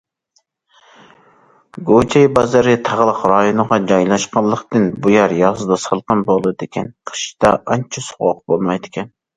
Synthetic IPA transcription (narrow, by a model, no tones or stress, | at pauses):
ɡot͡ʃʰɛjbɑzɑɾɨt̪ʰɑʁlˠəqɾɑjonəʁɑd͡ʒɑjlˠɑʃqɑlˠːəqt̪ɨnbujɑɾjɑzɨd̪ɑsɑlˠqɑnbolˠɨɨd̪ɪkʲʰɛnqʰə̥ʃt͡ʃd̪ɑʔɑnt͡ʃʰusʊ̥ʁʊ̰q̚bolˠmɑjd̪ɪkʲʰɛn